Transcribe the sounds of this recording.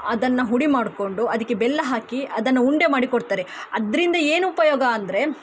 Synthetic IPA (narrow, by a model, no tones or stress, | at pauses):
ɐd̪ɐnːɐɦuɽimaːɽko̞ɳɖuɐd̪ɐkːebɛlːɐɦaːkiɐd̪ɐnːɐuɳɖemaːɽikoɽt̪aːɾeɐd̪ɐɾind̪ɐeːnuːpɐjoːɡɐːnd̪ɐɾe̞